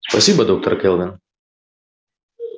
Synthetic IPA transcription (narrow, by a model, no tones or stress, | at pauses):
pɐsʲiːbɐd̪ɐʊk̚t̪ɐɾkʲɛlˠʋʲɛn